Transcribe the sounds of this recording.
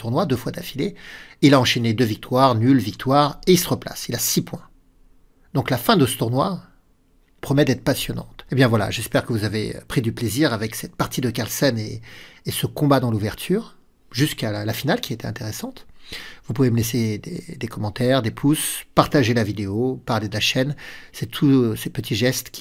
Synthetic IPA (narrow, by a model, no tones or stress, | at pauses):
t̪uʁnwad̪øfwad̪afileilaɑ̃ʃened̪øvik̚t̪waʁnylvik̚t̪ʰwaʁeisəʁəpla̰silasipwɛ̃ | d̪ɔ̃klafɛ̃d̪əsə̥t̪uʁnwa | pχɔmɛd̪ɛt̪χpasjɔnɑ̰̃t̪ebjɛ̃vwala̰ʒɛspɛʁkəvuzavḛpχid̪ypleziʁavɛksɛt̪̚paʁt̪ʰid̪əkaʁlsɛneːsəkɔ̃bad̪ɑ̃luvɛʁt̪ʰyːʁ | ʒyskalafinalkʲiaet̪ɛɛ̃t̪eʁesɑ̃t̪vupuveməlesed̪ḛd̪ekɔmɑ̃t̪ɛʁd̪epʰuspaʁt̪aʒelavid̪eopaʁled̪əlaʃɛnsɛt̪ʰusepət̪ʰiʒɛst̪kʲi